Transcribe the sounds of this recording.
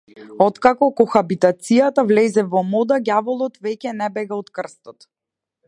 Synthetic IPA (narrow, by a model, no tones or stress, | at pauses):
ɔt̪kakɔkɔxabit̪at̪sijat̪avlɛzɛvɔmɔd̪aɡʲavɔlˠɔt̪vɛcɛnɛbɛɡaɔt̪kr̩st̪ɔt̪